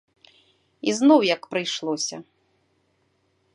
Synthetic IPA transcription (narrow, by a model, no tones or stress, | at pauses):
iznɔwjɐkpɾɨjʂlˠɔsʲɐ̰